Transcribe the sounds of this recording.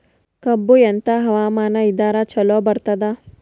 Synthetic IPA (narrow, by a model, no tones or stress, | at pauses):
kɐbːujɐnt̪ɐɦɐʋaːmaːnɐid̪aːɾat͡ʃɐlobɐɾt̪ɐd̪a